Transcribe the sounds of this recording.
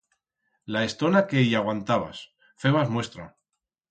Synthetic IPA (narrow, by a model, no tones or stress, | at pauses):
laest̪o̞nakejaɣwant̪aβa̰s | fe̞β̞azmwe̞st̪ɾa